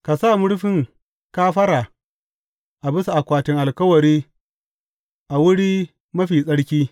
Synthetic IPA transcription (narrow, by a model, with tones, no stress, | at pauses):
ka˨saː˦˨mʊ˦ɽɸɪ˦˨ŋ | kaː˦ɸɐ˦ɾa˨ | ʔa˨bɪ˦sa˨ʔa˨kʷaː˨tɪ˦ŋʔa˨lkɐ˦wɐ˨ɾiː˦ | ʔa˨wʊ˦ɽiː˦ | mɐ˦ɸiː˨sʼɐ˦ɽkʲiː˦